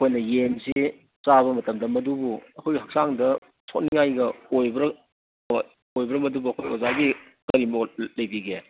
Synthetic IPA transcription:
ɐkʰojnɐjemsi | t͡ʃaβɐmɐtɐmdɐmɐdubuɐkʰojɡihɐk̚saŋdɐ | sʰotniŋajɡɐojbɐɾɐ | ojbɐɾɐmɐdubuɐkʰojo̰zaɡi | kɐɾimɐlɐjbiɡe

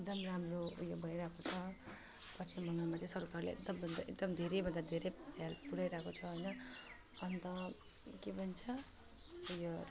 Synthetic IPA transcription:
ek̚d̪ʌmramrojobʱʌjɾakʰot͡sʰʌ | pʌt͡sʰimʌŋɡamat͡sʌĩsʌrkarlḛḛk̚d̪ʌmbʱʌnd̪aḛkd̪ʌmd̪ʱeɾejbʱʌnd̪ad̪ʱeɾejpjalpuɽajɾakot͡sʰʌɦʌjnʌ | ʌnt̪ʌ | kebʱʌnt͡sʰʌ | jo

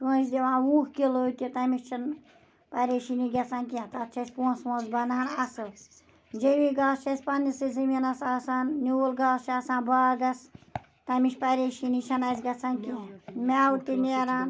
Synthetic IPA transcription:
swusd̪iʋãːwuːkkilot̪ʲit̪ɐmiʃʲt͡ʃʰɐn | pɐɾeːʃiniɡʲɐt͡sʰaːnkit̪att͡ʃʰɐsʲpuːswɐ̃zbɐnanɐsɨ | d͡ʒeʋiɡaːst͡ʃʰɐsʲpɐnisɨzɨminɐsaːsaːnnʲuːlɡaːst͡ʃʰasãːnbaːɡɐs | t̪ɐmiʃʲpɐɾʲeːʃinit͡ʃʰɐnɐsʲɡɐt͡sʰaːnkimʲaːwut̪ineɾaːn

